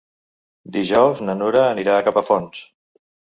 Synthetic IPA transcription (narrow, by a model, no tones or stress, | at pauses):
d̪iʒɔwznənuɾəːniɾaːkapəfɔns